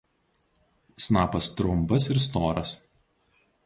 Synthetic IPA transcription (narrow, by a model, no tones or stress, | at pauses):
snɑːpɐst̪ɾʊmˑbɐs̬ɪɾst̪oːɾɐs